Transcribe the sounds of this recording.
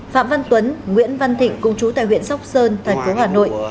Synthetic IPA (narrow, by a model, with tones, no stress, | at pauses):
fa̰ː˧˨mva˧nt̪wə˨˦nŋwḭ˧˥ənva˧nt̪ʰï˧˨ŋ̟kʊ˧ŋ͡mt͡ɕu˨˦t̪a̰ː˧˨jwḭ˧˨ənsa˦˥wk͡p̚səː˧nt̪ʰɛ˨˩ŋ̟fo˨˦haː˨˩no̰˧˨j